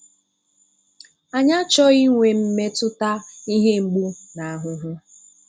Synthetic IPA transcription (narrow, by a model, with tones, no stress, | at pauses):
a˨ɲa˦t͡ʃɔ˦i˦ŋʷe˨m̩˦me˦tʊ˦ta˦i˦ɦe˦ŋ͡m̩˦ɡ͡bu˦na˨a˨ɦʊ˦ɦʊ˦